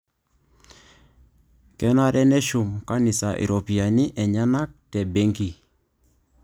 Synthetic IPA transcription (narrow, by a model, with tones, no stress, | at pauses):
kɛ˦na˦ɾɛ˦nɛ˦ʃʊ˨mka˦nɪ˨sa˨ʔḭ˨ɾo˨pi˨a˨nɪ˦ʔɛ˨ɲa˦na˦k̚tɛ˨be˦ŋki˨